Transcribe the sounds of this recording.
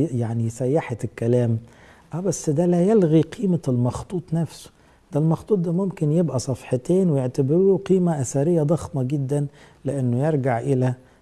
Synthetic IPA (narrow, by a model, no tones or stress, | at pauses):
jaʕnisæjːaħet̪kːælæːm | ʔæbæsːd̪ælæjelɣiqʰiːmalmɑxt̪ˤuːt̪ˤnæfsʊ̥ | d̪̥ælmɑxt̪ˤuːt̪̚ˤd̪æmomkɪnjebʔæsˤɑfħɑt̪eːnwɪjeʕt̪abɪɾuːqiːmæʔæsæɾɪjːæd̪ˤɑxmɑɡɪd̪ːænlɪʔanːʊjeɾˤɡaʕʔɪlæ